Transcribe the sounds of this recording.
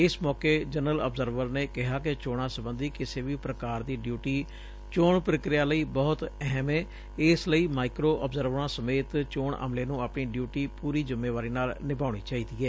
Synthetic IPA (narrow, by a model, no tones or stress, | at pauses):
ɪsmɔːkeːd͡ʒənələ̰pzəɾʋəɾneːkɪɦaːkɪt͡ʃoːɽ̃ãːsəbə̃nd̪iːkɪseːʋiːpɾəkaːɾd̪iːɖjuːʈiː | t͡ʃoːɳpɾəkɾɪjaːləiːbɔːt̪ɛɦmɛː | ɪsləiːmaːɪkɾoːʔəbzəɾʋɾãːsəmeːt̪t͡ʃoːɳʔə̰mleːnũːaːpɳiːɖjuːʈiːpuːɾiːd͡ʒʊmːeːʋaːɾiːnaːlnɪbaːɽ̃iːt͡ʃaːiːd̪iːɛː